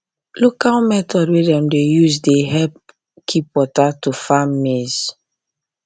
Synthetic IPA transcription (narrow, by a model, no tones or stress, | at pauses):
lokalmɛtʰɔdwedɛ̃mdejuzdeɦɛp̚ | kʰipwɔtatufamːez